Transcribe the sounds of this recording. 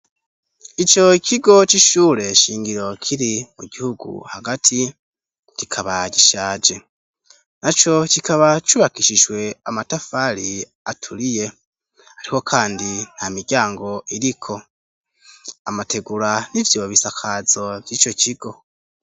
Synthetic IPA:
it͡ʃo̞cʰiɡo̞t͡ʃiʃuːɾe̞ʃiːŋɡiɾo̞kʰiɾimuɟihuɡṵhaɡatʰi | cikʰaβaɟiʃaːd͡ʒe̞ | nat͡ʃo̞cikaβat͡ʃuβakiʃiʒwe̞amatafaɾi | atʰuɾije̞ | haɾiho̞kʰaːndin̥hamiɾɟaːŋɡo̞iɾikʰo̞ | amate̞ɡuɾanivjo̞ːβisakʰazo̞vjiːt͡ʃo̞ciɡ̥o̞

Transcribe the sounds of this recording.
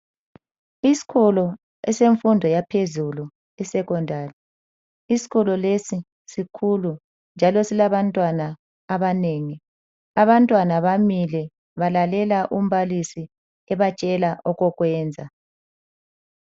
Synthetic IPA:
isi̥kʰɔlɔ | ɛseɱfundʱɔjapʰezulu | ɛsɛɣɔndʱaːri | isi̥ɣɔlɔlesi | sikʰulu | nd͡ʒʱalɔsilaβantʼwanaː | βaneːŋi | aβantʼwanaβamilɛ | βalalɛlaʔum̩βalisi | ɛβat͡ʃʼɛlaʔɔɣɔɣwɛːnd͡zʱa

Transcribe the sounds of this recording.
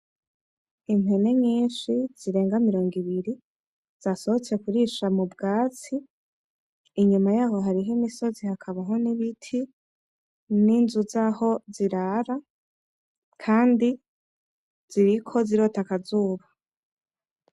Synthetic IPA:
ime̞ne̞ɲiːnʃiz̥iɾe̞ːŋɡamiɾo̞ːŋɡiβiɾi | z̥aso̞hot͡se̞kuɾiːʃamubɡaːt͡si | iɲumajaːɦo̞ɦaɾiɦemiso̞zihakʰaβaɦo̞niβitʰi | ninzuzaːho̞ziɾaːɾa | kʰaːndi | z̥iɾikʰo̞ziɾo̞ːtakazuːβa

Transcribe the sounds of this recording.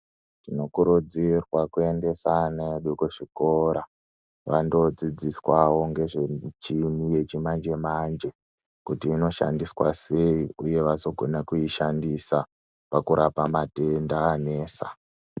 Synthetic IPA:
tino̞kuɾud͡zirwakue̞nde̞saneɗukuʐiko̞ɾa | ʋando̞d͡zid͡ziswawo̞ŋɡe̞ʐet͡ʃinije̞t͡ʃimand͡ʒe̞mand͡ʒe̞ | kutiːno̞ʃa̰ndiswase̞iuje̞ʋaso̞ɡʱo̞nakuiʃandisa | pakuɾʔapamate̞ndaːne̞ːsa̰

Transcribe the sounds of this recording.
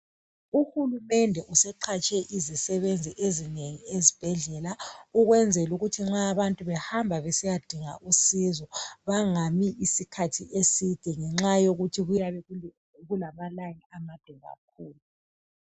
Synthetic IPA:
uhulumɛndʱɛʔusɛǃʰat͡ʃʼɛʔizisɛβend͡zʱiʔezineŋiezib̥ʱɛɮɛlauɣwɛnd͡zʱɛluɣutʰiŋ͡ǁaːβantʼuβɛhambʱaβɛsijad̥ʱiŋa̰ʔusizɔβaŋamiʔisikʰatʰiʔesid̥ʱɛŋɛŋ͡ǁajoɣutʰiɣujaβɛ | ɣulamalaŋiamad̥ʱwɛɣa̰k̚ʰuːlu

